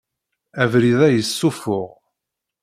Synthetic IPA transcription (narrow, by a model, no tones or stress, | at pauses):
ævɾiðæjəsːufʊʁ